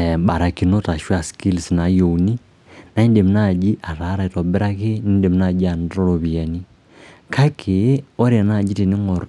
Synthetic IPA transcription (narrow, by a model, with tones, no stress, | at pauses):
ba˨ɾa˨ki˨no˦ta˨ʃwa˨ski˦lsna˨jo˨uni˦ | na˨˦i˦nde˨m˨na˦˨d͡ʒi˦ʔa˨ɾa˨˦ɾa˨i˨tɔ˨bɪ˦ɾa˦ke˦ni˦nde˨m˦na˦˨d͡ʒi˦a˨ntɔ˦ɾo˨βi˨a˨ni˦ | ka˦kʰe˨˦o˦ɾa˨na˦˨d͡ʒi˦te˨ne˦ŋɔ˨ɾ